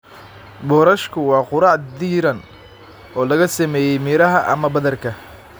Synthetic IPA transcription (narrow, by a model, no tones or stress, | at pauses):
bɔːɾɐʃkʰʊwɑːqʊɾɑːʕd̪iːɾɐn | ɔːlɐɣɐsɐmɛːjɛjmiːɾɐɦɐʔɐ̰mɐbɐðɐrkʰɐ